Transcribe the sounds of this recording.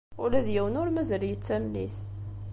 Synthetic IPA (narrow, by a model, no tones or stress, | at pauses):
ʊlæðjæwənʊɾmæzɾijət͡sːæmlḭθ